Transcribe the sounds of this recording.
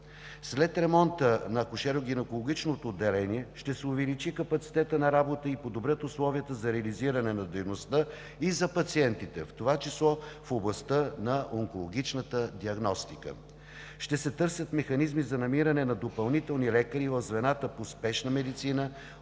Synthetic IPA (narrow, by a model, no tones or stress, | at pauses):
slɛt̪ɾɛmɔnt̪ənɐkʊʃɛɾoɡ̟inɛkolˠoɡ̟it͡ʃnot̪oːd̪ːɛlɛniɛʃt̪ɛsɛʊvɛlit͡ʃikɐpɐt̪si̥t̪ɛt̪ənɐɾabot̪əipod̪obɾʲjət̪ʊslˠɔviət̪əzɐɾɛɐliziɾɐnɛnɐd̪ɛjnost̪ə | izɐpɐt̪siɛnt̪it̪ɛ̰ft̪ovat͡ʃislˠɔfoblˠɐst̪ənɐʔoŋkolˠoɡit͡ʃnət̪əd̪iɐɡnɔst̪ikə̰ | ʃt̪ɛsɛt̪ɤɾsʲjət̪mɛxɐnizmizɐnɐmiɾɐnɛnɐd̪opɐlˠnit̪ɛlˠnilɛkəɾivɐvzvɛnat̪əpospɛʃnəmɛd̪it̪sinə